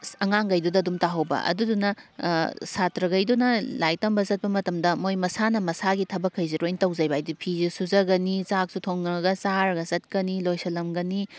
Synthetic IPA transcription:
ɐŋaŋɡɐjdudɐdumtaɦɐwbɐ̰ʔɐ̰dudunɐ | satɾɐɡɐjdunɐlaj̚tɐmbɐzɐt̚pɐmɐtɐmdɐmojmɐsanɐmɐsaɡitʰɐbɐkʰːɐjziɾojntɐwzɐjbajdipʰizisuzɐɡɐnit͡ʃak̚sutʰoŋɐɡɐsaɾɡɐzɐt̚kɐnilojsɐlɐmɡɐni

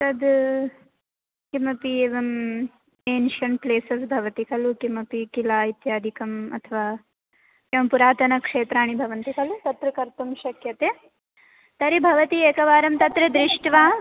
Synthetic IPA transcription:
t̪ɐd̪ | kimɐpieːʋɐm | eːnʃɐnpleːsɐsbʱɐʋɐt̪ikɐlukimɐpikilaːit̪jaːd̪ʱikɐmɐ̰t̪ʰɐʋaː | eːʋɐmpuɾaːt̪ɐnɐkʂeːt̪ɾaːɳ̃ibʱɐʋɐnt̪ikɐlut̪ɐt̪ɾɐkɐɾt̪umʃɐkjɐt̪eː | t̪ɐɾibʱɐʋɐt̪ieːkɐʋaːɾɐmt̪ɐt̪ɾɐd̪ɾiʂʈʋaː

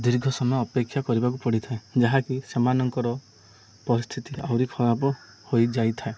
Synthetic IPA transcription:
d̪iɾɡʱɔsɔmɔjɔːpekʰːjakɔɾibak̬upɔɽit̪ʰaed͡ʒaɦakisemanɔŋkɔɾɔ | pɔɾist̪ʰit̪ia̰wɾikʰɔbapɔ | hojd͡ʒajt̪ʰae

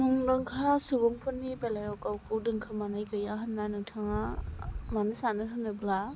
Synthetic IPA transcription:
nɯŋdɯŋkʰasuɡuŋpʰɯnːibelajɔwkawkɯwdɯŋkʰamanajɡɯjaɦɯnːanɯŋtʰaŋamanɯsanɯɦɯnːɯbla

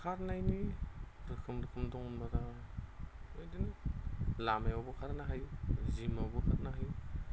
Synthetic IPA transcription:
kʰaɾnajni | ɾɯkʰɯmɾɯkʰɯmdɔŋunmaɾa | ɯjdinɯlamajabɔkʰaɾnaɦajzimawbɔkʰaɾnaɦaj

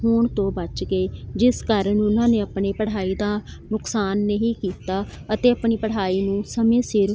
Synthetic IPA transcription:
ɦʊɳt̪õːbət͡ʃɡeːd͡ʒɪskəɾnʊnãːneːəpɳeːpəɽ̤aːiːd̪ãːnʊksaːnːeɦiːkiːt̪aːət̪eːəpɳiːpəɽ̤aːiːnũːsəmẽːsɪɾ

